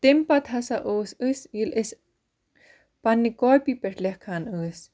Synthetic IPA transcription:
t̪ɪmpat̪ɦasaʔosɨsjilʔɪs | panːikɔpipɛɾlɛhkhanɨs

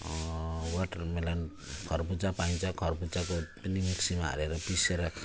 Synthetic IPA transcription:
waʈmelan | kʰɔɾbud͡zapaj̃t͡ʃakʰɔɾbud͡zakotinimiksima̰ɾeɾʌpiseɾakʰ

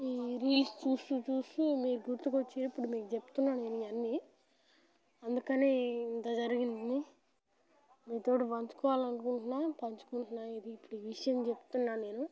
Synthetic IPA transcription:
iːɾiːlst͡ʃuːsut͡ʃuːsumiːɾuɡuɾt̪ukot͡ʃːiːɾipːuɽumiːkut͡ʃepu̥t̪unːaːe̞ːnuiɐnːi | ɐnd̪ukɐneːint̪ɐd͡ʒɐɾiɡind̪i | miːt̪o̞ːʈiʋɐɲt͡ʃu̥kɔːʋaːlɐnukuɳʈunːaːpɐɲt͡ʃu̥kuɳʈunaːid̪iːpːuɽuʋiʂɐjɐmt͡ʃe̞pu̥t̪unːaːne̞ːnu

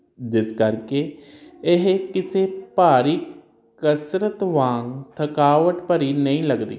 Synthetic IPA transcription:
d͡ʒɪskəɾkeːɪɦekɪseːpaːɾiː | kəsɾət̪ʋãːŋɡt̪ʰəkaːʋəʈpəɾiːnəĩːləɡd̪ḭː

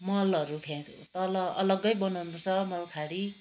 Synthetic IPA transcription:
mʌlʌɾukʰãk | t̪ʌlʌʌlʌɡʌjbʌnʌnut͡sʰʌmʌlkʰaɽi

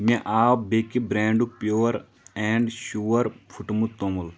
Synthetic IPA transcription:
mẽʔaːwbekibɾeːɳɖupjoːɐɾ | ɛ̃ːɳɖʃuːʋɐɾpʰuʈmut̪omul

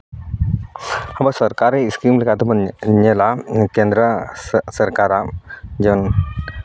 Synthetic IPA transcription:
ɐbɐsɐɾkaɾeskimlikat̪umɐɲelakend̪ɾəsɐɾkaɾad͡ʒen

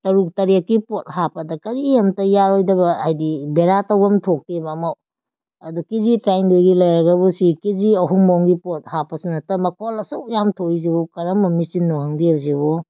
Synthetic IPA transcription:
tɐɾuk̚tɐɾiek̚kipot̚ɦapɐdɐkɐɾiɐmtɐjaɾojdɐbɐhajdibeɾatɐwɐmtʰok̚tebamaw | ɐdukizitɾajndojɡilɐjɾɐɡɐbusikiziɐɦuŋbowŋɡipot̚hapɐsunɐtɐmɐkʰolɐsuwjamtʰojzibɔkɐɾɐmɐmisinːohɐŋdiwzibɔ

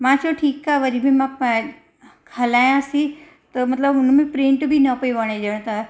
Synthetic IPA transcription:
mãt͡ʃoʈʰiːkːaʋəɾibʱĩmã | kʰalaːjãsi | t̪əmɐt̪ləbʊnmĩpɾĩɳʈbʱinəpəiʋəɽ̃ed͡ʒəɽ̃t̪a

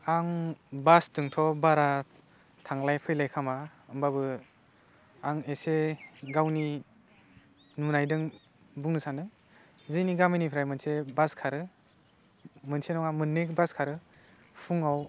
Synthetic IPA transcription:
aŋbastɯŋtʰɔbaɾa | tʰaŋlajpʰɯjlajkʰama | ɯmbabɯ | aŋeseɡawni | nunajdɯŋ | buŋnɯsanɯ | zɯjniɡaminipʰɾajmɯnsebaskʰaɾɯ | mɯnsenɔŋamɯnːek̚baskʰaɾɯ | pʰuŋaw

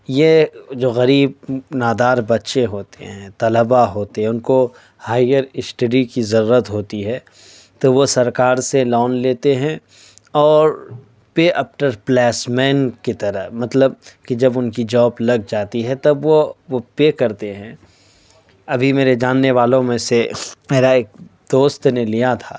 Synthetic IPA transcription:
jed͡ʒoːɣɐɾiːbnaːd̪aːɾbɐtːʃeɦoːt̪ḛɦɛ̃ːt̪ɐləbaɦoːt̪eɦɛ̃ʊnko | haːɪjəɾɪsʈɐɖikizɐɾuːɾət̪ɦoːt̪iɦɛː | t̪oʋosɐɾkaːɾselɔːnleːt̪eɦɛ̃ | ɔːɾ | peːʔɐpʈəɾplɛːsmɛːnket̪ɐɾəɦmɐt̪ləb̚kid͡ʒɐbʊnkid͡ʒɔːplɐɡ̚d͡ʒaːt̪iɦɛt̪ɐbʋoʋopeːkɐɾt̪eɦɛ̃ː | ɐbʱimeːɾed͡ʒaːnːeʋaːlõmẽsemɛːɾaeːk̚d̪̥oːst̪nelijat̪ʰaː

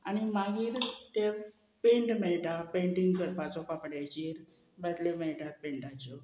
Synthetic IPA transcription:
añimaɡiːɾt̪e | pẽɳʈmɛɭʈapẽɳʈiŋɡkəɾpat͡sɔkapɽajt͡ɕiːɾ | bɛt̪lemɛɭʈaɾ̚pẽɳʈat͡ɕɔ

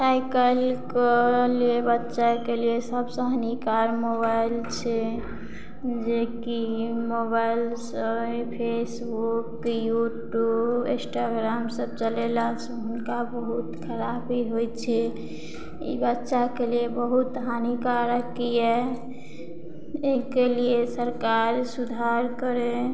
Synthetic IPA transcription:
sajkəlkəliebətːʃakeliesəbsə̃ɦənikaɾmobaɪlt͡ʃʰe | d͡ʒekimobaɪjlsə̃pʰesbukjuʈjubĩsʈaɡɾamsəb̚t͡ʃəlelasə̃ɦʊnkabəɦut̪kʰəɾabʱiɦojt͡ʃʰɛ | ḭbətːʃakeliebəɦut̪ɦanikaɾəkːijɛ | ekeliesəɾkaɾsud̪ʱaɾkəɾe

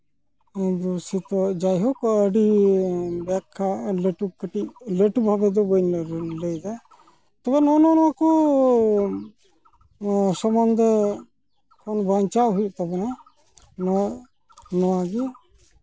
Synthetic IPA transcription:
ɛd̪ɔsit̪ɔd͡ʒajɦɔkɔəɖi | bɛkʰːaleʈukəʈiʔ̚leʈubʱabɛd̪ɔbəjnɾləjd̪a | t̪ɔbɛnɔnɔnɔwakɔ | sɔmand̪ə | kɔnbaɲt͡ʃaʔɦujuʔt̪abɛna | nɔ | nɔwaɡɛ

